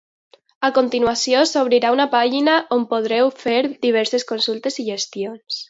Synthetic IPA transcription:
akont̪inwasjosoβ̞ɾiɾaunapaʒinaʔompoðɾɛwfeɾðiβ̞ɛɾseskonsulˠt̪eziʒest̪jons

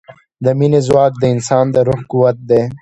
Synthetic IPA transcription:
d̪əminezwaːk̚d̪əɪnsɑːnd̪əɾʊxkuwɐt̪̚d̪eː

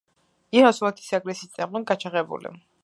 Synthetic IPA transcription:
iɾasulat̪ʰi̥saɡɾɛsiːt̪sʼɛmlˠɔnɡat͡ʃʰaʁɛbṵlḭ

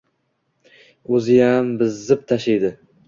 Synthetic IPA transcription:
ɵzɪjambɪzːɪp̚t̪ʰaʃejd̪ɪ

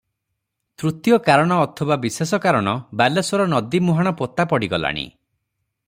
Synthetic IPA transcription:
t̪ɾut̪jɔkaɾɔɽ̃ɔːt̪ʰɔbabisesɔkaɾɔɽ̃ɔbalesɔɾɔnɔd̪imuɦaɽ̃ɔpot̪apɔɽiɡɔla̰ɽ̃ḭ

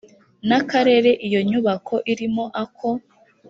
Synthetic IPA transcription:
nakaɾe̞ɾe̞ʔijo̞ɲuβakʰo̞ʔiɾimo̞ʔakʰo̞

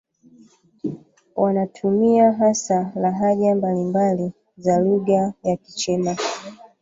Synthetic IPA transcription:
wanatʰumiaɦasalaɦaʄambalimbali | zaluɣajaki̥t͡ʃɛna

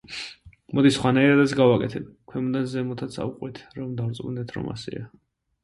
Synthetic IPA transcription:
mɔd̪isχwanaiɾad̪ɛt̪sɡavakʼɛ̰t̪ʰɛbkʰwɛmund̪anzɛmɔt̪ʰat̪sʰa̰uqʼwit̪ʰɾɔmd̪avɾt̪sʼund̪ɛt̪ʰɾɔ̰ma̰sɛ̰a

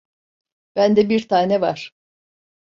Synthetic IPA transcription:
b̥ænd̪ɛbiɾt̪ʰaːnɛvaɾ̥

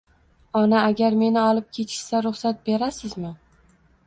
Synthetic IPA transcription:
ɒnaːɡʲaɾme̞nɪɒlˠɪp̚kʲʰe̞t͡ʃʰɪ̥ʃsaɾʊχsat̪̚be̞ɾasɪzmɪ

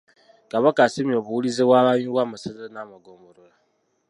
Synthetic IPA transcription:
kaβakasimioβuwulizewaβaɲiwamasazenamaɡomoɾola

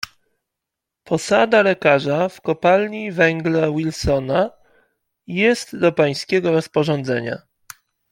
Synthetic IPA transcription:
pɔsad̪alɛkaʐafkɔpalɲivɛŋɡlɛwilsɔna | jɛst̪d̪ɔpaj̃skʲɛɡɔɾɔspɔʐɔnd̪zɛɲa̰

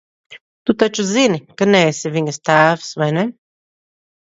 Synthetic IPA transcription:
t̪ut̪at͡ʃuzinikənɛːsiviŋɛst̪aːfsvɛnɛ

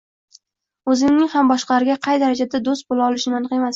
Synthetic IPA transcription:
ɵzɪŋnɪŋʲhambɒʃqɑaɾɪɡʲaqʰɑjd̪aɾad͡ʒad̪ad̪ost̪̚bolaɒlɪʃnɪmanqe̞mas

